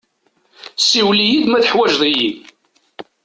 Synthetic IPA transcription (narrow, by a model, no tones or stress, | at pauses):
sːiwlijid̪mæθəħwæʒðˤiji